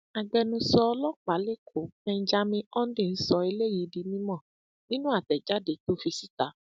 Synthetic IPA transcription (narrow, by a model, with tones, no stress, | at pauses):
a˨ɡ͡bɛ˧nũ˧sɔ˧ɔ˧lɔ˦k͡pa˨˦le˦˨kʰo˨˦mɛ̃˧n̩˦d͡ʒa˧mĩ˧ɔ˦n̩˦di˦˨n̩˦sɔ˧e˧le˦ji˨˦di˧mĩ˦mɔ̃˦˨ | nĩ˦nũ˦a˦˨tɛ˨d͡ʒa˨˦de˨˧to˦fi˧si̥˦ta˨˦